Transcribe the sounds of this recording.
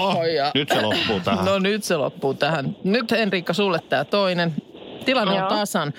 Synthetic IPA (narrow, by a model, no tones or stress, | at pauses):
oijɑnyt̪selopːuːt̪æhnonyt̪selo̰pːuːt̪æhænnyt̪enriːkːɑsulːet̪ːæːt̪oinent̪ilɑnːeont̪ɑsɑn